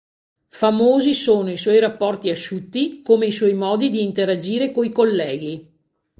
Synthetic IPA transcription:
famoːzisoːnoiswɔjɾapːɔrt̪iaʃut̪ːikomeiswɔjmɔːd̪id̪iːnt̪eɾad͡ʒiːɾekoikolːɛːɡi

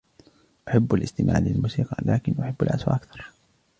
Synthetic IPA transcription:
ʔaħabːalʔɪst̪ɪmʔa̰ːʕlɪlmuːsiːqɑlaːkɪnʔʊħɪbːa̰lʔaswa̰ʔakθɑ̥ɾˤ

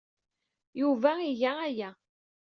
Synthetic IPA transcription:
juvæiʝææjæ

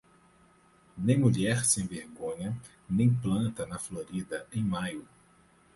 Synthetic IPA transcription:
nẽj̃muʎɛɾsẽj̃veɾɡõɲɐ | nẽj̃plɐ̃nt̪ɐnɐfloɾid̪ɐẽj̃majʊ

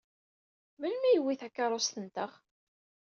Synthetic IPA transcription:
mənmæjəwːiθækːɑɾˤost̪ənt̪əʁ

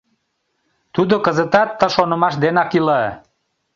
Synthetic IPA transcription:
t̪ud̪okəzət̪ɑt̪ːə̆ʃonə̆mɑʃd̪enɑkilɑ

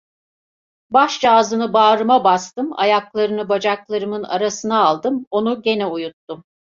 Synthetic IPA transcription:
baʃd͡ʒaːzɯnɯbaːɾɯmabast̪ɯma̰jaklˠaɾɯnɯbad͡ʒaklˠaɾɯmɯna̰ɾasɯnaːlˠd̪ɯmo̞nuɟe̞nɛujut̪ːum

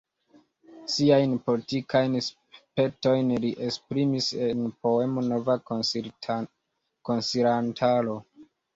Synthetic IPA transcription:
siajnpo̞litikʰajns | pe̞to̞jnliʔespɾimisenpo̞e̞mo̞no̞va | ko̞nsiɾantʰalo̞

